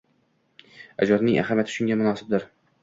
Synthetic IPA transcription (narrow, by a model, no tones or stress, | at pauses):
a̰d͡ʒɒɾnɪŋʔa̰χamjat̪ʰɪ̥ʃʊŋɡʲamʊnɒːsɪb̚d̪ɪɾ